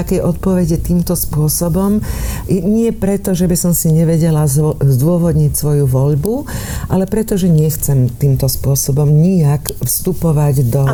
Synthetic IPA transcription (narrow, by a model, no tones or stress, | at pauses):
akɛjʔɔt̪̚pɔʋɛɟɛt̪iːmt̪ɔspʊɔsɔbɔm | ɲɪɛpɾɛt̪ɔʒɛbisɔmsiɲɛʋɛɟɛlazzd̪ʊɔʋɔd̪ɲicsʋɔjuʋɔʎbuʔalɛpɾɛt̪ɔʒɛɲɛxt͡sɛmt̪iːmt̪ɔspʊɔsɔbɔmɲiakfst̪upɔʋaɟd̪ɔ